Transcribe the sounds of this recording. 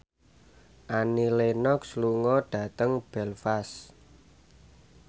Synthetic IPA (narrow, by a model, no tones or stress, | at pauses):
ʔanilenɔksluŋɔɖ̥ä̤t̪əŋb̥ɛlfas